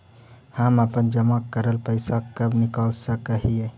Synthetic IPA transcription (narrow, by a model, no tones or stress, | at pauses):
haməpənd͡ʒəmakːəɾəlpəɪsakəbnikəlsəkəɦie